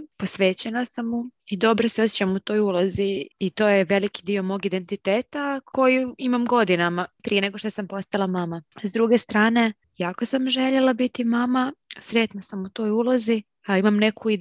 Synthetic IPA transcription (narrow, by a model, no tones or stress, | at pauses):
po̞sʋe̞ːt͡ɕenasamːuid̪o̞bɾoseosjet͡ɕamut̪o̞ːjulaziit̪o̞ːjeʋe̞likid̪io̞mo̞ːɡid̪e̞nt̪it̪eːt̪ako̞juimamɡo̞d̪inamapɾijene̞ɡo̞ʃt̪osampo̞st̪alˠamamazd̪ɾuɡe̞st̪ɾaːne̞ | jaːko̞samʒe̞ʎelˠabit̪imamasɾe̞t̪nasamut̪o̞ːjulazi | imamne̞kʰui